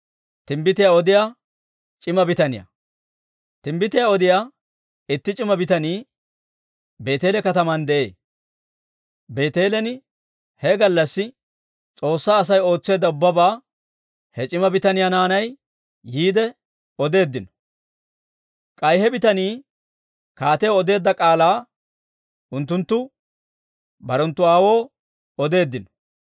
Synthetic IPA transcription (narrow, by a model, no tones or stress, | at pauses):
t̪ɪmbɪt̪ɪjaɔd̪ɪja | t͡ʃʼɪmɐbɪt̪ɐnɪjɐ̰ | t̪ɪmbɪt̪ɪjaɔd̪ɪjaː | ɪt̪ːɪt͡ʃʼɪmɐbɪt̪ɐniː | be̞ːt̪e̞ːlɛkɐt̪ɐmɐnd̪ɛʔe̞ː | be̞ːt̪e̞ːlɛnɪ | hɛɡɐlːɐsːɪ | t͡sʼo̞ːsːaːs̬ɐjo̞ːt͡sːe̞ːd̪ːɐʊbːɐbaː | hɛt͡ʃʼɪmɐbɪt̪ɐnɪjanaːnɐjː | iːd̪ɛ | ɔd̪e̞ːd̪ːɪnɔ̥ | kʼɐjhɛbɪt̪ɐniː | kaːt̪eɔd̪e̞ːd̪ːɐkʼaːlaː | ʔʊnt̪ːʊnt̪ːʊ | bɐɾɔnt̪ːʊaːwo̞ː | ɔd̪e̞ːd̪ːɪnɔ̥